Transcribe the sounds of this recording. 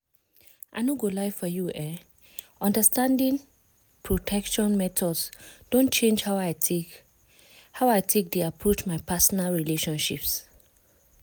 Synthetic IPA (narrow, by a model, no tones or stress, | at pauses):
ʔanoɡolaɪffɔjuʔɛ | ʔɔ̃ndəstãndĩŋ | pʰɹotʰɛkʃɔ̃nmɛtʰɔdsd̥õnt͡ʃẽnd͡ʒha | hawaɪtʰek̚deapʰɹot͡ʃmaɪpʰasɔnalɹileʃɔ̃nʃips